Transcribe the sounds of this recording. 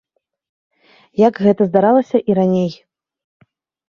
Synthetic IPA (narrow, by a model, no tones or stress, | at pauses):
jaɡɣɛt̪ɐzd̪aɾalˠɐsʲɐʔiɾanʲej